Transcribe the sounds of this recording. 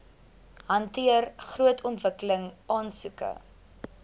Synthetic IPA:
ɦɐntiərχruətʰɔntvəkələŋɑːnsukə̰

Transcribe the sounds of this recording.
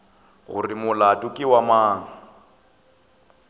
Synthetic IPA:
ɣʊ̰rɪmʊlatʼʊkʼɪwamaːŋ̩

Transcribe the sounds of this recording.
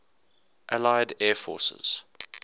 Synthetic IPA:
ʔalaɪdɛːfɔ̰ːˑsə̰z̥

